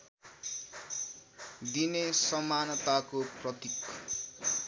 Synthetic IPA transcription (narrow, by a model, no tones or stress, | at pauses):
d̪inessʌmanʌt̪akoprʌt̪ik